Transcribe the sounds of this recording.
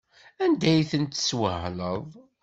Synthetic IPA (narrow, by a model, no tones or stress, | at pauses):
ænd̪æjθənt̪swəɦləðˤ